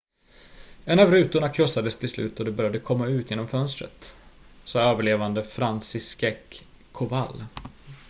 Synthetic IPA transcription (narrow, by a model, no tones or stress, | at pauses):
ɛnːavɾʉ̟ːt̪ʊɳakʰɾɔsad̪əst̪ʰɪlslʉ̟ːt̪ɔd̪ɛbœɾjad̪əkʰɔmːaʉ̟ːt̪ʰjeːnɔmfœnst̪ɾə̰t̪sɑːøːvəɭeːvand̪əfɾansɪskɛkʰː | ʊva̰lː